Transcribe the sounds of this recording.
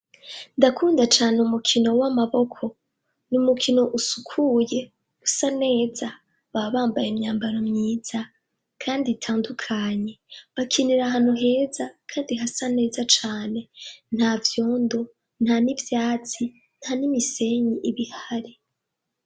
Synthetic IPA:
ndakʰuːndat͡ʃaːneumukʰino̞wamaβo̞kʰo̞ | numukʰino̞ʔusukʰuje̞̥ | usane̞ːza | βaβaːmbajemɲaːmbaɾomɲiːz̥a | kʰaːnditʰaːndukʰaɲe̞βakʰiniɾaɦan̥uɦe̞ːzakʰaːndiɦasane̞ːzat͡ʃaːne̞n̥havjo̞ːndo̞ | n̥hanivjaːt͡si | n̥hanimise̞ɲiʔiβihaɾi

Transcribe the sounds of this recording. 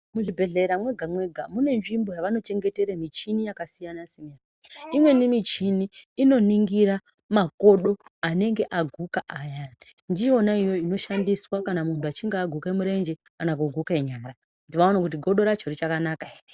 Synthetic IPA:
muʐibʱe̞ɮeɾamwe̞ɡʱamwe̞ɡʱamune̞nʐimbo̞jaʋano̞t͡ʃe̞ŋɡe̞te̞ɾemit͡ʃinijakasijanasiɲanaimwe̞nimit͡ʃiniːno̞niŋɡiɾa | mako̞ɗo̞ane̞ŋɡe̞ʔaɡʱukaʔaja | ndio̞naijo̞ino̞ʃandiswakanamuntuat͡ʃiŋɡeːɡʱukemuɾe̞nd͡ʒe̞ | anakuɡʱukaeɲaːmra | ndiʋaonakut̬iɡʱo̞ɗo̞ɾat͡ʃoɾit͡ʃakanakaer

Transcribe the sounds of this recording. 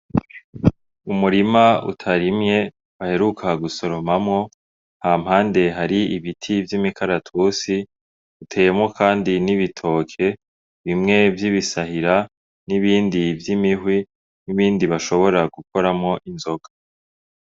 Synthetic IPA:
umuɾimaṵtʰaɾimɲe̞ | βahe̞ɾukʰaɡuso̞ɾo̞mamŋo̞ | haːm̥haːnde̞ɦaɾiiβitʰivjimikʰaɾatʰusi | utʰe̞jemŋo̞kʰaːndiniβitʰo̞ːkʰe̞ | βimŋe̞vjiβisahiɾa | niβiːndivjimiɦwi | niβiːndiβaʃo̞βo̞ɾaɡukʰo̞ɾamŋo̞ʔinzo̞ɡ̥a

